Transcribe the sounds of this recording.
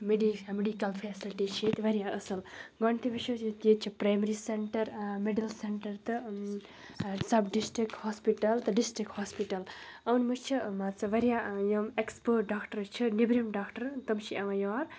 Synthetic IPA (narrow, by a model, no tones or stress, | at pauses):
meɖimeɖikɐlpʰeːsilʈit͡ʃʰet̪ʋɐɾijaəsɨlɡɔɳt̪ʰiʋiʃot̪jet͡ʃʰipɾajmɐɾiseɳʈɐɾmeɖilseɳʈɐɾt̪ɨ | sɐbɖisʈɾikʈhospiʈɐlt̪ɨɖisʈɾikhoːspiʈɐlɐwnmɨt͡ʃʰimat͡sɐʋɐɾijajomekspoɖakʈɐɾt͡ʃʰiɨnibɾimɖaːkʈɐɾt̪ɐmt͡ʃʰiaʋãjɔːɾ